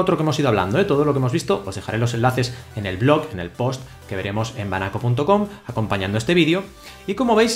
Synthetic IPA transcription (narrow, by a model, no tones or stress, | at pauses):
ot̪ɾokeemosiðoaβla̰nd̪oet̪o̞ð̞olokeemo̞zβist̪o̞ʔozðe̞xa̰ɾe̞lo̞se̞nlaθe̞sene̞lβlo̞ɣe̞ne̞̰lpo̞st̪ | ke̞βe̞ɾe̞mo̞se̞mba̰nako̞punt̪oko̞mako̞mpaɲãnd̪oest̪e̞βiðjo̞ | iko̞mo̞βejs